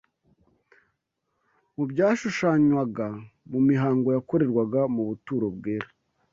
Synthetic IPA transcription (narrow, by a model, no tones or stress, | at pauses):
mubɟaːʃuʃaːɲwaɡamumiɦaːŋɡo̞jako̞ɾe̞ɾɡwaɡamuβutuːɾob̚ɡeːɾa